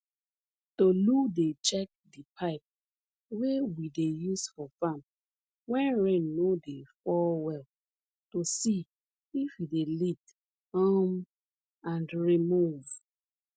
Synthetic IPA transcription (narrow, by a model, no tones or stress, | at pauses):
toludet͡ʃɛk̚dipʰaɪp̚ | wewidejusfɔfãm | wɛ̃nɹẽnːodefɔlwɛl | tosi | ifjidelit | ham | ãndɹimuv̥